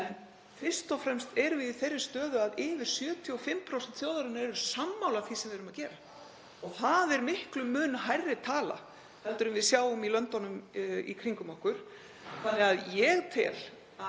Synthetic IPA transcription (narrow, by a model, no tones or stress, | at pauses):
ɛn | fɪr̥st̪ɔfɾɛmst̪ɛɾvɪðiθejrːɪ̥st̪œːðʏaðɪːvɪɾ̥sjœːt̪ʰiɔfɪmːpʰɾowsɛnt̪θjoːwðaɾɪnaɛɾʏ̥samːawlaθvisɛmvɪɛɾʏmaðcɛːɾa | ɔɣθaðɛɾmɪhklʏmːʏːnaɦajrːɪt̪ʰaːla̰ | θɛnt̪ɪɾʏnvɪðsjaːwʏmilœnt̪ɔnʏmḭkʰɾiŋkʏmawhkʏɾ̥ | θanːɪɣaðjɛɣt̪ʰɪ̰l